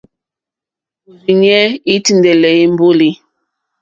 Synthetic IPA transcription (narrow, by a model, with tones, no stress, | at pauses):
u˨ɾi˨ɲ˦ɛ˦i˦ti˨ndɛ˨lɛ˨i˦m˦bo˦li˦